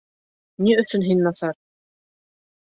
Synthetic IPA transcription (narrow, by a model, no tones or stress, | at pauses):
niɵ̆θɵnɦinːɑsɑɾ